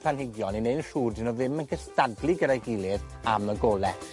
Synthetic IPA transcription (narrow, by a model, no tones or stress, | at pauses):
pʰanhɪɡjɔnineɨnɬuːrdɪnɔðɪmənkʰəstadlˠɨɡədajɡɪlˠɨðaməɡɔːlˠɛ